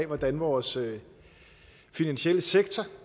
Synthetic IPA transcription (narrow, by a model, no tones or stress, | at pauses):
ʋɒd̥ænʋɒːsø | finænɕel̰əseɡ̥t͡sʰɐ